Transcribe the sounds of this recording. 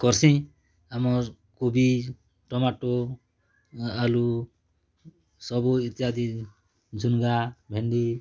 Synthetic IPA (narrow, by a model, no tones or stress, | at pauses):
kɔɾsʰĩ | amɔɾ | kobi | ʈɔmaʈo | alu | sɔbuit̪iad̪i | d͡ʒʱunɡabʱeɳɖi